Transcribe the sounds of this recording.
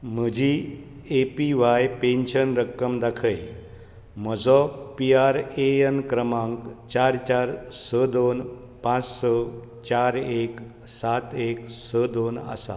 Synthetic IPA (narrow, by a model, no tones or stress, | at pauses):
məd͡ʑʱi | epiʋajpẽnɕənɾəkːəmd̪akʰəj | məd͡zɔpiaɾeənkɾəmãŋkt͡ɕaɾt͡ɕaɾsəd̪on | pãt͡ssə | t͡ɕaɾek | sat̪eksəd̪ona̰sa̰